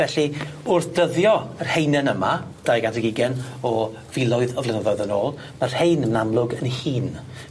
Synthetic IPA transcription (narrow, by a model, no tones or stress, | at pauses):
vɛɬiʊrθd̥əðjɔr̥hejnɛnəma | d̥ajɡatʰəɡɪɡɛnɔ | vɪlˠɔɨðɔvlˠɪnəðɔjðəno̰ːlˠ | mar̥hejnəmnamlˠʊɡənihiːn